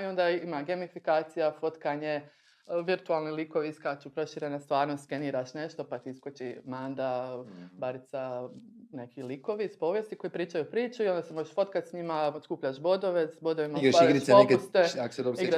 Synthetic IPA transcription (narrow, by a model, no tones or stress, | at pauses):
io̞nd̪aimaɡe̞mifikaːt̪sijafo̞t̪kaɲe | ʋiɾt̪ualˠnilikoʋiiskat͡ʃupɾo̞ʃiɾenast̪ʋaːɾnoskeniːɾaʃne̞ʃt̪o̞pat̪iiskot͡ʃimaːnd̪abaɾit̪sanekʰiliko̞ʋispo̞ːʋjest̪iko̞jipɾiːt͡ʃajupɾiːt͡ʃuio̞nd̪asemoʒeʃfo̞t̪kat̪ʲsɲimaskuːpʎaʃbo̞d̪o̞ʋesbo̞d̪oʋimaiɡɾaʃɡɾisenepkst̪eako̥sed̪osiɡɾa